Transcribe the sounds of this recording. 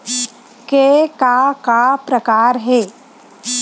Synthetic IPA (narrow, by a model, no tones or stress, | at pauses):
kekakapɾəkaːɾɦɛː